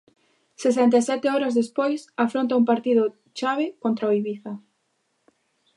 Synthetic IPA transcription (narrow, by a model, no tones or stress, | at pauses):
sesɛnt̪asɛt̪ɪɔɾazðespojsafɾont̪ɐumpaɾt̪iðʊ | t͡ʃaβɪkont̪ɾaoiβiθɐ